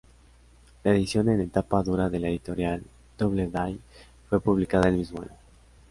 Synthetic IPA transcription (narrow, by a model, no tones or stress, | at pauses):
laeðisjo̞ne̞ne̞t̪apaðuɾaðe̞le̞ðit̪o̞ɾjal | d̪̥oβleðaj | fwe̞puβlikaðaelmizmoa̰ɲo